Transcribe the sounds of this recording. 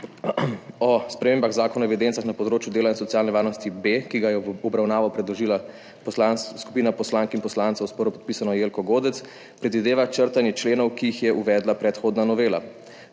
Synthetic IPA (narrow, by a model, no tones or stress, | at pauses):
ɔspɾɛmeːmbaxzaːkɔnɔɛʋɛd̪eːnt̪saxnapɔd̪ɾoːt͡ʃjud̪eːlainsɔt̪jaːlnɛʋaːɾnɔst̪ibekiɡajɛɔbɾawnaːʋɔpɾɛd̪lɔʒiːla | pslansku̥piːnapɔslaːŋkinpɔslant̪sawspɔɾɔpɔ̥t̪piːsanɔjeːlkɔɡoːd̪ɛt̪s | pɾɛd̪ʋid̪eːʋat͡ʃəɾt̪anjɛt͡ʃleːnɔwkiixjɛʔuʋɛːd̪lapɾɛt̪xoːd̪nanɔʋeːla̰